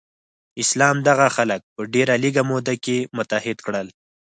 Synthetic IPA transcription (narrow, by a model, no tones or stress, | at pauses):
ɪslɑmd̪aɣaxalək̚pəɖeɾaliɡamod̪akemʊt̪ahɪd̪kɽəl